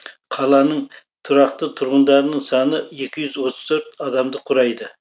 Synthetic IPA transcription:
qʰɑlˠɑnəɴ | t̪ʰʊɾɑqt̪ət̪ʰʊɾʁʊnd̪ɑɾnəɴsɑnəekʲʰɪʒʏzwot̪ʰəz̥t̪ʰøɾt̪ɑd̪ɑmd̪əqʰʊɾɑjd̪ɪ

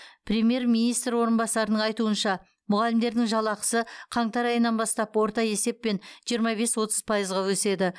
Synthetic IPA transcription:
pʰrʲe̞mje̞ɾmʲijnijst̪rɾwo̞ɾənbɑsɑɾənəɴɑjt̪uənʃɑ | mʊʁɑlɪmd̪e̞ɾd̪ɪŋʒɑlˠɑqə̥səqʰɑɴt̪ɑɾɑjənɑnbɑst̪ɑpwo̞ɾt̪ɑje̞se̞pːe̞nʒ̥ijəɾmɑβe̞swo̞t̪əz̥pʰɑjəzʁɑwɵse̞d̪ɪ

